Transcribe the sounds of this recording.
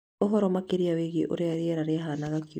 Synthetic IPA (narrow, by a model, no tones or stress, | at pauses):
oɦɔɾɔmakeɾiawiɣḭʔo̰ɾeaɾiɛɾaɾeaɦanaɣaki